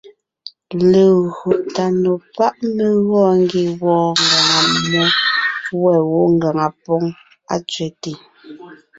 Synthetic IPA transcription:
le˨ɣo˨ʔta˨no˨pa˦ʔme˦ɣɔː˦ŋ˦ɡi˨wɔː˨ŋ˨ɡa˨ŋa˨mɔ˦wɛ˦˨wo˨˦ŋ˦ɡa˨ŋa˨pɔ˦ŋ | a̰˦t͡sɥɛ˨ti˨

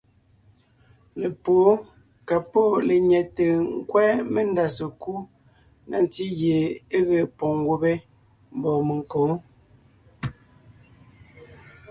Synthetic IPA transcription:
le˨poː˨˦ | ka˨po˦˨le˨ɲɛ˨te˨ŋ̩˦kwɛː˦me˦n˦da˨se˨ku˦ | nʔa̰˨n˨ti˦ɣje˨e˦ɣe˨pɔ˨ŋ˦ɡo˦be˦ | m̩˦bɔ˨me˨ŋ˨kõː˨˦

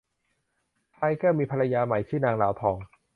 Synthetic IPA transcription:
t̪ʰaː˧jkɛː˥˩miː˧pʰa˧la˧jaː˧ma˨˩˦jt͡ɕ̪ʰiː˥˩naː˧ŋlaː˩˦wt̪ʰɔː˧ŋ

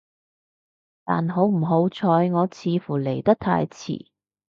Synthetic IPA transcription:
t̪a̰ː˨˩nɦo˨˥wm̩˨˩ɦo˨˧wt͡sʰɔː˨˧jŋɔː˨˧t͡sʰiː˨˧fuː˨˩le˨˩jt̪ɐ˥k̚t̪ʰa̰ː˧jt͡sʰḭː˨˩

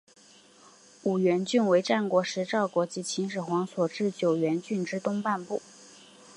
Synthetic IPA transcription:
u˨˩ɥɛ˧˥nt͡ɕy˥˩nwe˧˥ɪʈ͡ʂa˥˩nkwɔ˧˥ʂɻ̩˧˥ʈ͡ʂɑ˥˩ʊkwɔ˧˥t͡ɕi˧˥t͡ɕʰi˧˥nʂ̬ɻ̩˨˩xwɑ˧˥ŋswɔ˨˩ʈ͡ʂɻ̩˥˩t͡ɕjo˨˩ʊɥɛ˧˥nt͡ɕy˥˩nʈ͡ʂɻ̩˥t̪ʊ˥ŋpa˥˧npu˥˩

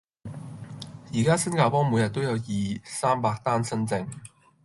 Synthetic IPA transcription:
jiː˨˩kaː˥sɐ˥nkaː˧wpɔː˥ŋmuː˨˧jɐ˨t̚t̪wjɐ˨˧wjiː˨saː˥mpaː˧k̚t̪aː˥nsɐ˥nt͡sɪ˧ŋ

